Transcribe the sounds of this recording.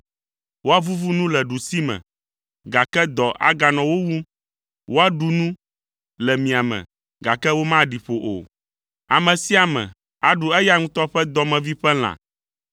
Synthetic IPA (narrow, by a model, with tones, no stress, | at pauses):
wo˦a˦vu˦vu˦nũ˦lɛ˨ɖu˨si˦mɛ̰̃˨ | ɡa˨kɛ˦d̪ɔ˨ʔa̰˦ɡa˨nɔ̃˨wo˦wu˦ | wʔo˦a˦ɖu˨nũ˦ | lɛ˨mĩ˨a˨mɛ̰̃˨ | ɡa˨kɛ˦wo˦mã˦ɖi˨ɸo˨ʔo̰˨ | a˨mɛ̃˨si˦a˨mɛ̰̃˨ | a˨ɖu˨ɛ˦ja˦ŋũ˦t̪ɔ˦ɸɛ˦d̪ɔ˨mɛ̃˨vi˦ɸɛ˦l̃ã̰˨